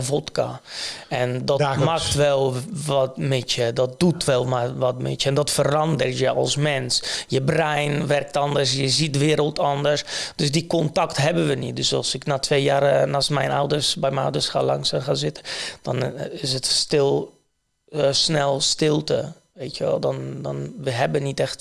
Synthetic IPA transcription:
votka̰ɛndɔtmaktʋɛlˠʋɔtmɪtjədɔt̚d̥utʋɛlˠmaʋɔtmɪ̰tjəɛndɔtfərɑndərtjəʔɔ̰lˠsmɛnsjəbrɛjnʋɛrk̚tɔndərsjəzit̚əʋɪːəɾəlˠtɔndərsd̥øsdikɔntaktɦɛbənʋənit̚døsɑ̰lˠsɪknaːtʰʋejjaːrnaːsmɛjna̰wdərsbɛjmɛnɔ̰wdərsxa̰ːlɑŋsaxazɪtəd̥ɔnɪsətstɪlˠ | snɛlˠstɪlˠtə | ʋeːtjəʋɛ̰lˠdɔndɔnʋəɦɛbənitɛxt

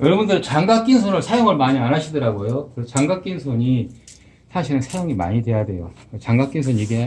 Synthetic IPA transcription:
jʌɾʌbundɯɾɯt͡ɕaŋɡak͈insʰonɯɭsʰajoŋɯɭmaɲianɦaɕʰidɯɾaɡojokɯɾesʰot͡ɕaŋɡak͈insʰoɲi | sʰaɕʰiɾɯnsʰajoŋima̰ɲidwe̞jadwe̞jo | et͡ɕaŋɡak͈ins̬ʰoɲiɡe̞

